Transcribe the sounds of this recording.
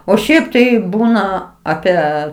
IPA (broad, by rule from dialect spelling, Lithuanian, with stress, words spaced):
oː ˈʃʲɛɪp tɐɪ ˈbuːnɐ ˈɑːpʲiɛ